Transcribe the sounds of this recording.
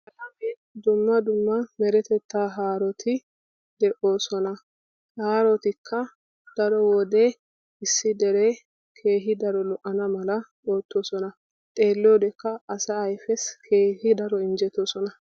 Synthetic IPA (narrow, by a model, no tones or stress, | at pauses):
ɐlɐbe | d̪ʊmːɐd̪ʊmːɐmɛɾɛt̪ɛt̪ːaːɦaːɾɔt̪ʰɪ | d̪ɛʔo̞ːsɔnɐ | haːɾɔt̪ɪkʰːɐ | d̪̥ɐɾɔwɔd̪ɛ | ɪsːɪd̪ɛɾe | kʰe̞ːɦɪd̪ɐɾɔlɔʔɐnɐmɐlɐ | oːt̪ːo̞ːsɔnɐ | t̪ʼe̞ːlːɪɔd̪ɛkːɐːsɐːjfɛskʰeːhɪd̪ɐɾɔɪnd͡ʒɛt̪ːoːsɔnɐ